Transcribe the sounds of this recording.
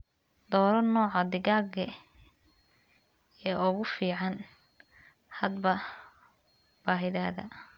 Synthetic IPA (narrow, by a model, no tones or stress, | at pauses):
d̪ɔːɾɐnɔːʕɑd̪ɪɣaːɡɐ | ɛːʔʊɣʊfiːʕɑn | hɐd̪bɐ | b̥aːɦɪðaːðɐ̰